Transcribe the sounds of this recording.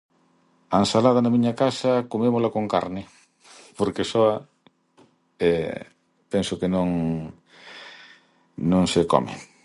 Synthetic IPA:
ansalað̞ɐnamiɲakasakomemolakoŋka̰ɾnɪ | poɾkesɔa | ɛ | pensʊkenõŋ | nõŋsekɔ̰mḛ

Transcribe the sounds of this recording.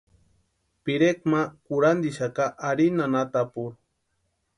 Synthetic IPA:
piɾekmakuɾand̪iʃakaʔːɾinanat̪apuɾ

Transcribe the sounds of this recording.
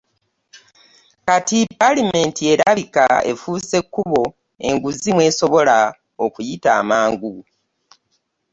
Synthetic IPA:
katipalime̞ntie̞ɾaβikae̞̰fuːse̞kːuβo̞ | e̞̰ŋɡuzimwe̞ːsoβo̞la | okujitaːmaːŋɡu

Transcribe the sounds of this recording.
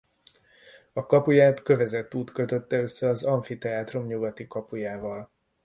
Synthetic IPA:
ɒkɒpujaːt̪kø̞vɛzɛt̪ːuːt̪kø̞t̪ø̞t̪ːɛø̞sːɛɒzɒɱfit̪ɛaːt̪ro̞mɲuɡɒt̪ikɒpujaːvɒl

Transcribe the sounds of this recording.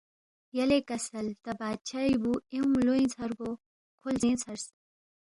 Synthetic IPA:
jɐlekɐsɐlt̪ɐbaːd̪̚t͡ɕʰajbueũloĩt͡sʰɐɾɡo | kʰolzẽːt͡sʰɐɾs

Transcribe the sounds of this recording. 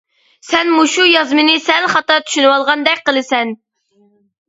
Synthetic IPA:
sɛnmuʃujɑzmɪnɪsɛlχɑt̪ɑt̪ʰy̥ʃynɨwɑlˠʁɑnd̪ɛkʲqəlˠɨsɛn

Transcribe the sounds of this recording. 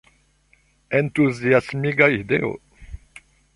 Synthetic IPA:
ɛ̃nt̪uziasmiɡaid̪eo̰

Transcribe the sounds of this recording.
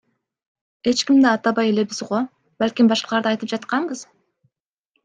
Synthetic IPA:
e̞t͡ʃkimd̪eɑt̪ɑβɑje̞le̞bizʁo | bælʲkʲimbɑʃqɑlˠɑɾd̪ɯɑjt̪ɯp̚d͡ʒɑt̪qɑɴbɯz

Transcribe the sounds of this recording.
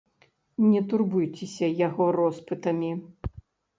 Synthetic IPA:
nʲɛt̪urbujt͡sʲɛsʲɐjaɣɔrɔspɨt̪ɐmʲi

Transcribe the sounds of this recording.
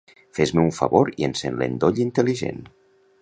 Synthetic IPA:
fezmeuɱfa̰βoɾiensenlḛnd̪oʎint̪eliʒḛn

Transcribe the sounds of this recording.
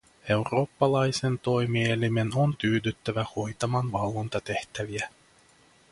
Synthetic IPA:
ewɾo̞ːpːɑlˠɑjsent̪ojmielʲːimenont̪yːd̪yt̪ːæʋæhojt̪ɑmɑnʋɑlˠvont̪ɑt̪eht̪æʋiæ

